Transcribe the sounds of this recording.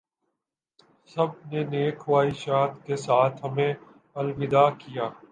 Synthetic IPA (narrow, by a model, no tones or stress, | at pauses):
sɐb̚neneːkʰʋaːiʃaːt̪kesaːt̪ʰɦɐmẽ | ɐlʋɪd̪akijaː